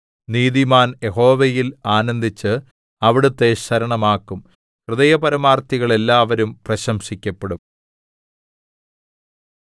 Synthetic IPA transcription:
niːðimaːnje̞ɦo̞ːʋejilaːnɐnd̪ʱit͡ɕːɨ | ɐʋiɽut̪ːe̞ɕɐɾɐɳɐmaːkːum | krɨðɐjɐpɐɾɐmaːrt̪iɣɐɭe̞lːaːʋɐɾumprɐɕɐmʂikʲːɐpːeɽum

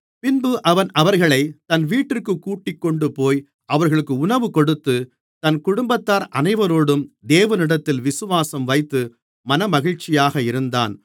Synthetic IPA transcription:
pɪnbɯʔɐʋɐnɐʋɐɾɣɐɭɐɪt̪ɐnʋiːʈːɪrkɯkːuːʈːɪkːɔɳɖɯpoːj | ʔɐʋɐɾɣɐɭɯkːɯʊnɐʋɯkɔɽɯt̪ːɯ | t̪ɐnkʊɽʊmbɐt̪ːaːɾʔɐnɐɪʋɐɾoːɽɯmd̪eːʋɐnɪɽɐt̪ːɪlʋɪsɯʋaːsɐmʋɐɪt̪ːɯ | mɐnɐmɐɣɪɻt͡ʃːɪjaːɣɐɪɾɯnd̪a̰ːn

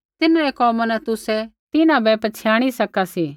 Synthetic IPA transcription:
t̪ɪnaɾɛkɔːmãnɛt̪ʊsɛt̪ɪnãbɛpɐt͡ʃʰjaːɽ̃isɐkasiː

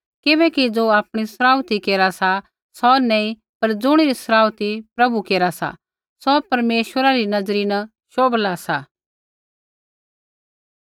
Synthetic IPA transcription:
kɪbɛkid͡zoːaːpɽ̃isɾaːʊt̪ikeːɾasa | sɔnɛ̃ĩ | pɐɾd͡zʊɽ̃iɾisɾaːwt̪ipɾɐbukeːɾasa̰ | sɔpɐɾmeːʃwəɾaɾinɐd͡zɾinɐ | ʃoːblasa

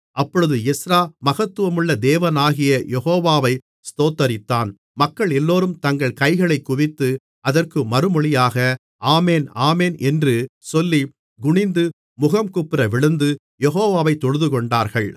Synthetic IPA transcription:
ʔɐpːɔɻɯðɯɛsɾaːmɐɣɐt̪ːɯʋɐmɯɭːɐd̪eːʋɐnaːɣɪjɐjɛɣoːʋaːʋɐɪ | st̪oːt̪ːɐɾɪt̪ːaːn | mɐkːɐɭɛlːoːɾɯmt̪ɐŋɡɐɭkɐɪɣɐɭɐɪkːʊʋɪt̪ːɯ | ɐðɐrkɯmɐɾɯmɔɭɪjaːɣɐ | ʔaːmeːnaːmeːnʔɛndrɯsɔlːi | ɡʊɳɪnd̪ɯ | mʊɣɐmkʊpːɪɾɐʋɪɭɯnd̪ɯ | jɛɦoːʋaːʋɐɪt̪ːɔɻɯðɯkɔɳɖaːɾɣɐɭ

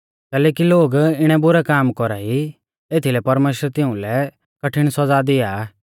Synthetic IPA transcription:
kɛːlɛːkiloːɡɪɽ̃ɛbʊɾɛkaːmkɔɾai | eːt̪ʰilɛpɐɾmeːʃəɾt̪ɪũlɛ | kɐʈʰɪɽ̃sɔd͡zad̪ɪjaː

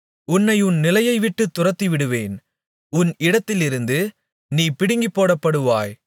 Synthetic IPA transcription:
ʊnːɐɪʊnnɪlɐjɐɪʋɪʈːɯt̪ːʊrɐt̪ːiʋɪɽɯʋeːn | ʊnɪɽɐt̪ːɪlɪɾɯnd̪ɯ | niːpɪɽɪŋɡipːoːɽɐpːɐɽɯʋaːj

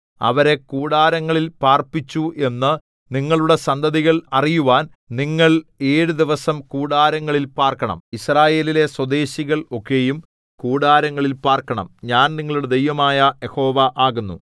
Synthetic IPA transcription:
ɐ̰ʋɐɾe̞kuːɽaːɾɐŋːɐɭilpaːrpit͡ɕːuʔe̞nːɨ | niŋːɐɭuɽe̞sɐnd̪ɐðiɣɐɭɐrijuʋaːn | niŋːɐɭe̞ːɻud̪iʋɐsɐmkuːɽaːɾɐŋːɐɭilpaːrkɐɳɐ̰misraːje̞ːlile̞swɐd̪e̞ːɕiɣɐɭo̞kːe̞ːjum | kuːɽaːɾɐŋːɐɭilpaːrkɐɳɐ̰mɲaːnniŋːɐɭuɽed̪ejʋɐmaːjɐjeho̞ːʋɐʔaːɣunːṵ

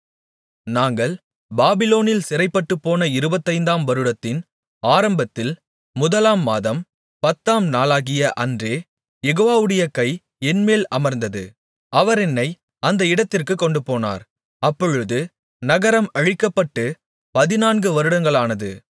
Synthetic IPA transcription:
naːŋɡɐɭ | baːbɪloːnɪlsɪɾɐɪpːɐʈːɯpːoːnɐɪɾɯbɐt̪ːɐɪnd̪aːmʋɐɾɯɽɐt̪ːɪn | aːɾɐmbɐt̪ːɪl | mʊðɐlaːmːaːðɐm | pɐt̪ːaːmnaːlaːɣɪjɐʔɐndreː | jɛɣoːʋaːʋɯɽɐjɐkɐɪ | ɛnmeːlɐmɐɾnd̪ɐðɯ | ɐʋɐɾɛnːɐɪ | ɐnd̪ɐɪɽɐt̪ːɪrkɯkːɔɳɖɯpoːna̰ːɾ | ɐpːɔɻɯðɯ | nɐɣɐɾɐmɐɻɪkːɐpːɐʈːɯ | pɐðɪnaːnɡɯʋɐɾɯɽɐŋɡɐɭaːnɐðɯ̰

